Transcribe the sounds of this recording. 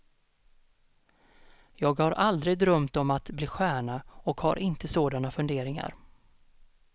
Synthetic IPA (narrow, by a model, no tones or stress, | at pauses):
jɑːɡhaɾʔald̪ɾɪɡd̪ɾœmt̪ɔmat̪bliːɧæːɳaɔkha̰ɾʔɪnt̪əsoːd̪anafɵnd̪eːɾɪŋa̰ɾ